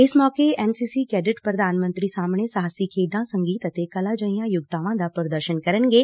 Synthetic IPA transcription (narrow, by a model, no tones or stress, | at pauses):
ɪsmɔːkeɛnsisikɛːɖɪʈpɾəd̪aːnmə̃nt̪ɾisaːmɳesaɦasikʰeːɖãsə̃ŋɡiːt̪ət̪ekɐlad͡ʒəĩjãjʊɡt̪aːʋãd̪apəɾəd̪əɾʃənkəɾənɡe